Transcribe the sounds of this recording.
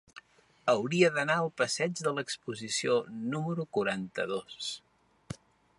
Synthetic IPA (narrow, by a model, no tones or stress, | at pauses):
əwɾiəðənaəlˠpəsɛd͡ʒðələkspuzisionuməɾukuɾant̪əðos